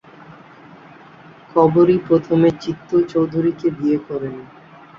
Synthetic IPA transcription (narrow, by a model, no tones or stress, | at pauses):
kʰɔboɾipɾot̪ʰomet͡ɕit̪ːot͡ɕowd̪ʱuɾiked̪iekɔɾen